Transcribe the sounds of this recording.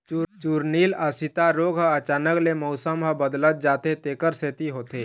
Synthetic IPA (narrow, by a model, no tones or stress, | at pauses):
t͡ʃuːɾniːlasit̪aɾoːɡɦəɐt͡ʃaːnəklemɔʊsəmɦəbəd̪lət̪̚d͡ʒaːt̪et̪eːkəɾseːt̪iɦoːt̪eː